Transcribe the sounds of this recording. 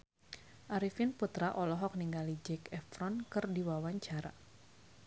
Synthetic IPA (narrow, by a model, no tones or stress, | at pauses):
ʔaɾifinput̪ɾaʔɔlɔɦɔk̚niŋɡalid͡ʒɛkɛfɾɔnkɨrdiwawaɲt͡ʃaɾa̰